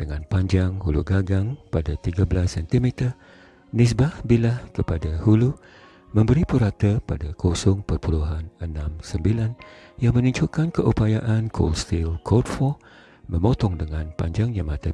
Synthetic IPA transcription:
d̥əŋanpaɲd͡ʒaŋhuluɡaɡaŋpadat̪iɡabəlasːɛnt̪imɛt̪ə | nis̬bahbilahkəpadahulu | mə̃mbəɾipuɾat̪əpadakʰosɔŋpərpuluɦanənãmsəmbilanjaŋmə̃nũɲd͡ʒʊkankəʔupajaʔankʰo̰lst̪ilkʰodfɔ | mə̃mot̪ɔŋdəŋãnpa̰ɲd͡ʒaŋjamat̪a

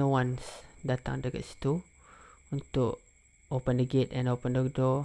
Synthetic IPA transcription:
owansdat̪a̰ŋdəka̰ʔ̪si̥t̪u | unt̪ʊʔ | opəndəɡɪt̪ɛ̃nopəndɔk̚do

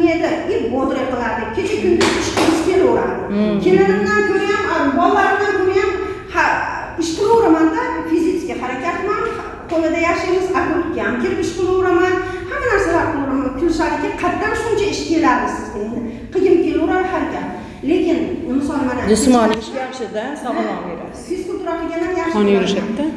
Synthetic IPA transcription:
ed̪ɪɪboɾd̪ɪɾaqɨlˠaɾd̪ɪk̚ʲkʲʰe̞t͡ʃʰakʰʲʊnd̪ɪɪʃqɨmɪzkʲʰe̞loɾa̰ɾd̪ɪkʲʰe̞lɪnɪmd̪ankʲʰɵɾajamabɒlˠːaɾɪmd̪ankʲʰɵɾajamha | ɪʃqʰɨlˠoɾamand̪afizit̪sɪ̥kʲahaɾakʲat̪man | qʰolˠɪd̪ajaχʃɪjmɪzakʊkʲaamkʲʰeɾɪpɪʃqɨlˠɪoɾaman | hamːanaɾsalaɾqʰɨlˠɾamankʲʰʊlɪʃad̪ɪkʲɪqʰɑt̪ːanʃʊnt͡ʃʰaɪʃkʰʲelaɾd̪ɪsɪzend̪ɪ | qʰɨjɪmkʲʰelʊɾaɾhaɾkʲʰan | le̞kʲɪnɪmɪsɒlˠmanad͡ʒɪsmanɪɪʃʲajaχʃɪd̪asabeɾa̰ | fiskulˠt̪uɾaqʰɨlˠɡʲanːaɾjaʃnjʊɾɪʃatt̪ːa

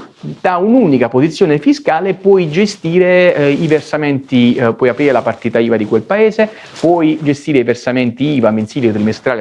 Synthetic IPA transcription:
d̪̥aunuːnikapozit̪sːjoːnefiskaːlepwɔjd͡ʒest̪iːɾeiversamɛnt̪ipwɔjapɾiːɾelapart̪iːt̪aiːvad̪ikwelpaeːze | pwɔjd͡ʒest̪iːɾeiversamɛnt̪iiːvamensiːljot̪ɾimest̪ɾaːl

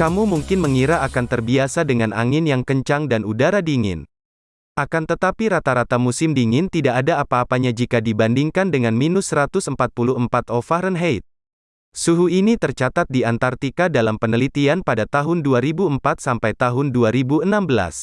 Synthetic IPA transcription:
kamumuŋkɪnməŋiɾaːkant̪ərbiasadəŋanʔa̰ŋɪnjaŋkəɲt͡ʃaŋdanudaɾadiŋɪ̰n | ʔakant̪ət̪apiɾat̪aɾat̪amusɪmdiŋɪnt̪idaʔːdaːpaːpaɲad͡ʒikadibandiŋkandəŋanminʊsəɾat̪ʊsəmpat̪̚puluəmpat̪ɔfaɾənɦejt̪̚ | suɦuinit̪ərt͡ʃat̪at̪̚diant̪art̪ikadalampənəlit̪ianpadat̪aɦʊnduaɾibuəmpat̪̚sampajt̪aɦʊnduaɾibuənambəla̰s

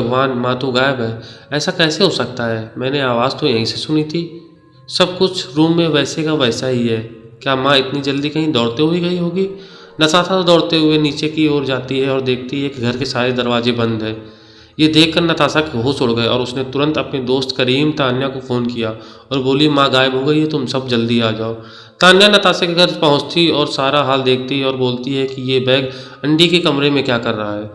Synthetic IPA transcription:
bɐɡʋaːnmãt̪oɡaːjəbɦɛːɛːsakɛːseɦosɐk̚t̪aɦɛːmɛ̃ːneaːʋaːzt̪ojɐɦĩsesʊnit̪ʰiː | sɐbkʊt͡ʃʰɾuːmːẽʋɛːsekaʋɛːsaɦiɦɛː | kjaːmãɪt̪nid͡ʒɐld̪ikɐɦĩd̪ɔːɽt̪eɦoiɡɐiɦoːɡiː | nɐsaːt̪ʰad̪ɔːɽt̪eɦʊeniːt͡ʃekioːɾd͡ʒaːt̪iɦɛɔːɾd̪eːk̚ʰt̪iɦɛːkiɡʱɐɾkesaːɾed̪ɐɾʋaːzebɐ̃nd̪ɦɛː | jed̪eːkʰːɐɾnɐt̪aːsakɦoːsoɽɡɐeɔ̰ːɾʊsnet̪ʊɾə̃nt̪ɐpned̪oːst̪kɐɾiːmt̪aːnjakofoːnkija | ɔːɾboːliemãːɡaːɪbɦoɡɐiɦɛt̪ʊmsɐbd͡ʒɐld̪iaːd͡ʒaːo | t̪aːnjanɐt̪aːsakeɡʱɐɾpɐɦʊ̃t͡ʃt̪iɔːɾsaːɾaɦaːld̪eːkʰt̪iɦɛɔːɾboːlt̪iɦɛkijebɛːɡ | ɐ̃ɳɖikekɐmɾemẽkjaːkɐɾːɐɦaɦɛː

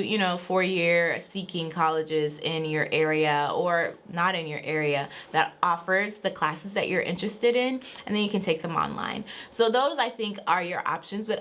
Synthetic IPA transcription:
jɨnoʊfɔɹjɪɹsikɪ̃ŋkʰɑlˠɨd͡ʒɪzɪ̃njə˞ʔɛɹiɨə˞nəɾɨ̃njə̰˞ʔɛɹiɨðɨɾɔfə˞zðɨkʰl̥æsɨzðɨt͡ʃə˞ʔɪ̰̃nt͡ʃɹ̥ɨstɨɾɪ̃nɨ̃nðɨ̃njɨkɨ̃ntʰeɪk̚ðə̃mɑ̰̃nlã̰ɪ̃nsoʊðoʊzaɪθɪ̃ŋkə˞jə˞ʔɑ̰pʃɨ̃nzbʌɾ

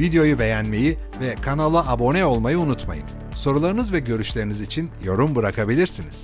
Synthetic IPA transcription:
vid̪ejo̞jube̞jænme̞ji | vɛkʰanalˠaʔːbo̞nɛo̞lˠmajɯunut̪ma̰jɯ̰n | so̞ɾulˠaɾɯnɯzvɛɟø̞ɾyʃlʲe̞ɾinizit͡ʃʰinjo̞ɾumbɯɾakʰabilʲiɾsiniz̥

